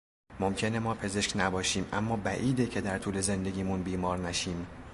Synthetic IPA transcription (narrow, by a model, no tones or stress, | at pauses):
mo̞mcʰe̞ne̞mɒːpʰe̞ze̞ʃknæbɒːʃiːmʔæ̰mːɒːbæʔiːd̪ecʰe̞d̪æɾt̪ʰuːle̞ze̞nd̪e̞ɡʲiːmunbiːmɒːɾnæʃiːm